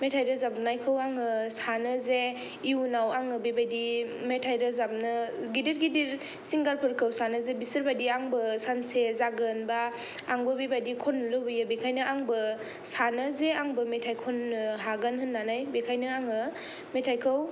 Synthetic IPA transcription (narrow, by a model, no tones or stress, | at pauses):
metʰajɾɯzap̚najkʰɯwaŋɯsanɯze | iunawaŋɯbibajdi | metʰajɾɯzap̚nɯɡidiɾɡidiɾ | siŋɡaɾpʰɯɾkʰɯwsanɯzebisɯɾbadiaŋbɯsansezaɡɯnba | aŋbɯbibadikʰɔnːlɯbɯjɯbekʰajnɯʔaŋbɯ | sanɯzeaŋbɯmetʰajkʰonːɯɦaɡanɦɯnːanajbekʰajnɯaŋɯ | metʰajkʰɯw